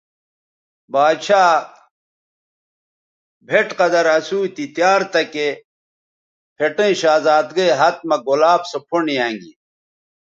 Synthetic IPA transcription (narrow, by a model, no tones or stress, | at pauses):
baːd̪ɕaː | bʱeʈqɐd̪ɐɾɐsuːt̪it̪jaːɾt̪ɐke | pʰeʈẽĩɕaːzaːd̪ɡɐjɦɐt̪̚mɐɡolaːbsopʰoɳijãːŋɡḭ